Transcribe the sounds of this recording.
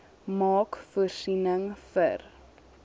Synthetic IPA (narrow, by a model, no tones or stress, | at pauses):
mɑːkfursinəŋfə̰r